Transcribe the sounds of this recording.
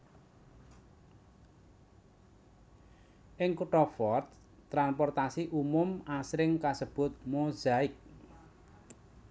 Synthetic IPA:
ʔɪŋkuʈɔfɔrt̪ | t̪ːɾanpɔrt̪asiʔumʊmasɾɪŋkasəb̥ʊ̤t̪̚mozaɪk̚

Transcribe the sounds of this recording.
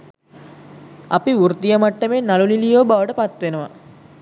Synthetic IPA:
ɐ̰piuɾt̪ijəmɐʈːəmenːalulilijoːbaʋəʈəpat̪ːʋenəʋa̰

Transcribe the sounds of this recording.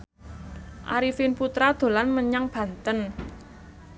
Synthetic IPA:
ʔa̰ɾifinput̪ɾad̪̥o̤lanməɲaŋb̥ä̤nt̪ən

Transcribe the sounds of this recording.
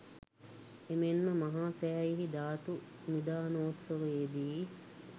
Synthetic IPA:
emenːəmɐɦaːsæːiɦid̪aːt̪u | nid̪aːnoːt̪sɐʋəed̪iː

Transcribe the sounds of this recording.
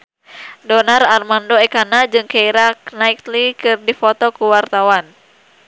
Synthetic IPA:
dɔnararmandoɛkanad͡ʒɨŋkaiɾaknait̪likɨrdifɔt̪ɔkuwart̪awan

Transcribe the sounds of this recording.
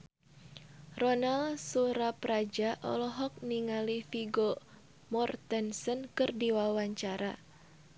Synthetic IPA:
rɔnalsuɾapɾad͡ʒaʔɔ̰lɔɦɔk̚niŋalifiɡɔ | mɔrt̪ɛnsənkɨrdiwawaɲt͡ʃaɾa̰

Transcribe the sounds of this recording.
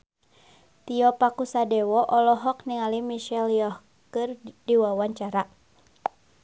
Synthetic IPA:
t̪iɔpakusadɛwɔʔɔlɔɦɔk̚niŋalimiʃɛljɔh | kɨrdiwawaɲt͡ʃaɾa

